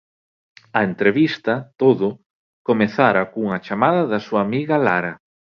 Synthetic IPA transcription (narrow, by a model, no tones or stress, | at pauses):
ɐent̪ɾeβist̪ɐt̪oðʊ | komeθaɾɐkuŋɐt͡ʃamaðɐðɐsuaːmiɣɐlaɾɐ